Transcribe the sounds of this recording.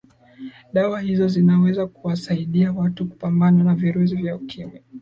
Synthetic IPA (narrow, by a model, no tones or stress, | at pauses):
ɗawahizɔzinawɛzakuwasaiɗiawatuku̥pambananaviɾus̬ivjaukʰimi